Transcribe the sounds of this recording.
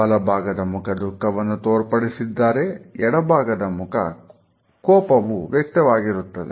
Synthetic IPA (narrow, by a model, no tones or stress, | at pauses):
ɐlɐbʱaːɡɐd̪ɐmukʰɐd̪ʱukːɐʋɐnːut̪oːɾpɐɽisid̪ːaːɾe̞ɛɽɐbʱaːɡɐd̪ɐmukʰɐ̰ | kɔːpɐʋuʋjɐk̚t̪ɐʋaːɡiɾut̪ːɐd̪e